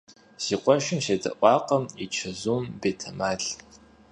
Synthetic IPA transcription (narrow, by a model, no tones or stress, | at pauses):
z̥iːqʷʼɔʃɪmʃedɐ̰ʔʷɑːqɐmit͡ʃʰɐzuːmbeːtʰɐmaːɮ